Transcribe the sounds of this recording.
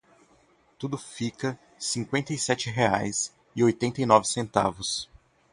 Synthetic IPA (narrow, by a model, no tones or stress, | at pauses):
t̪ud̪ʊfikɐ | sĩŋkwẽnt̪ɐisɛt͡ʃɪɦeajs | ɪojt̪ẽnt̪ɐinɔvɪsẽnt̪a̰vʊs